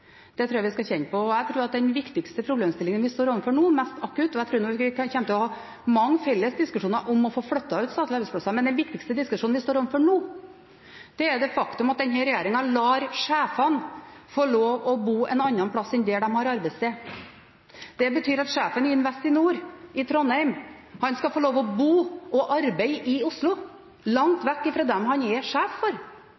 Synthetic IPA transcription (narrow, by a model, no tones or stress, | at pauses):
d̪̥ɛt̪ʰɾuːjɑʋɪskɑçɛnpɔɔæɪt̪ʰɾuːɾɑt̪̚d̪ɛnʋɪkt̪ɪkst̪əpʰɾʊbleːmst̪ɪlɪŋənʋɪst̪oːɾɔʋnfɔɳuːmɛst̪ɑkːʉt̪ɔæɪt̪ʰɾuːɾnɔːʋɪkʰɑçɛnt̪ʰɪlɔhɑː | mɑŋːfɛlːəsd̪ɪskʉʂuːnɑʔɔmɔfoːflœt̪ːɑʉːt̪sɑːt̪ʰlɑɾbɛspʰlɑsɑmɛnd̪ɛnʋɪkt̪ɪkst̪əd̪ɪskʉʂuːnʋɪst̪oːɾɔʋnfɔɳuː | d̪̥ɛːɾd̪ɛfɑkt̪ʉmɑt̪̚d̪ɛnɦɛɾɛjeːɾɪŋɑlɑːɾʂæːfɑnfoːɭoːʋɔbuːʔɛnɑnːɑnpʰɽɑsɪnd̪ɛd̪ɛmhɑɾɑɾbɛɪst̪eː | d̪ɛbət̪ʰyːɾɑt̪ʂæːfənɪɪnʋɛst̪ɪnuːɾɪt̪ʰɾɔnhæɪm | hɑnskɑfoːloːʋɔbuːʔɔʔɑɾbæɪʔɪʊslʊ | lɑŋt̪ʋɛkːɪfɾoːd̪ɛmɦɑnɛʂæːffɔɾ